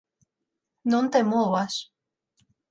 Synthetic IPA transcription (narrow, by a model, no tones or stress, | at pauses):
nõnt̪emoas